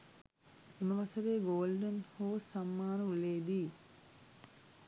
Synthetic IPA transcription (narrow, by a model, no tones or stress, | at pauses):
eməʋasəɾeːɡoːlɖenhoːsamːaːnəuleːd̪iː